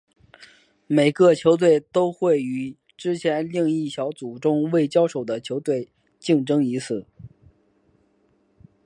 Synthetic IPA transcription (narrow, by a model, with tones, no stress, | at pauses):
me˨˩ɪkə˥˧t͡ɕʰjo˧˥ʊt̪̬we˥˩ɪt̪o˥ʊxwe˥˩ɪy˨˩ | ʈ͡ʂɻ̩˥t͡ɕʰjɛ˧˥nli˥˧ŋi˥˩ɕjɑ˧˥ʊt͡su˨˩ʈ͡ʂʊ˥ŋwe˥˩ɪt͡ɕjɑ˥ʊʂo˨˩ʊd̪ə˦t͡ɕʰjo˧˥ʊt̪we˥˧ɪ | t͡ɕi˥˧ŋʈ͡ʂɤ˥ŋi˧˥t͡sʰɹ̩˥˩